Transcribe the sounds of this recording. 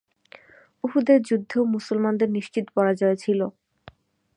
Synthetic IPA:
uɦud̪eɾd͡ʑud̪ʱːomusulmand̪eɾniʃt͡ɕit̪opɔɾad͡ʑɔet͡ɕʰilo

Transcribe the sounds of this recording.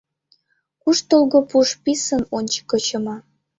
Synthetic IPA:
kuʃt̪olɣopuʃpisənonʲt͡ɕə̥kːɤt͡ɕɤ̆mɑ

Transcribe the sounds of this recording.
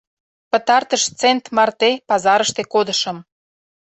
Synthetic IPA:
pə̆t̪ɑrt̪əʃt͡sent̪mɑrt̪epɑzɑɾəʃt̪ekod̪əʃə̆m

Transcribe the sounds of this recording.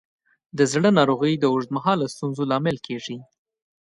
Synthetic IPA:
d̪əzɽənɑɾoɣəjd̪əʊʐd̪̚maɦɑlast̪unzolɑmɪlkʰeʐi

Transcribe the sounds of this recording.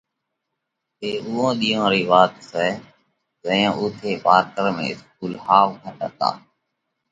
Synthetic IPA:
eːʔʊːõːɗiːõːɾiːʋaːt̪sɛː | zə̃ːõːʔʊt̪ʰeːpaːɾʈəɾmḛ̃ːɪsk̚uːlhaːʋkʰəʈə̰t̪a̰ː

